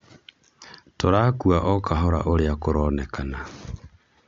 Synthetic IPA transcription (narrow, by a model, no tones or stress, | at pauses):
toɾaːkuaʔɔkʰaɦɔɾa̰ʔoɾeakoɾɔnɛkʰana